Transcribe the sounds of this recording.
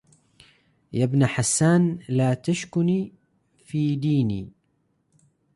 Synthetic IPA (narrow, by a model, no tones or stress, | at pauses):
jabnaħasːaːnlaːt̪aʃkʊniː | fiːd̪iːnḭː